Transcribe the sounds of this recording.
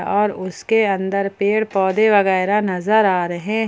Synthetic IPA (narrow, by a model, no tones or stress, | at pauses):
ɔːɾʊskeɐ̃nd̪əɾpeːɽpɔːd̪eʋɐɣɛːɾanɐzəɾaːɾɐɦe